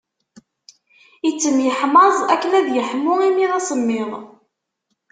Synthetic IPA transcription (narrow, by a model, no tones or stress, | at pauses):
it͡sːəmjəħmɑzˤækːlæðjəħmːʊʁimiʁæsəmːɪʁˤ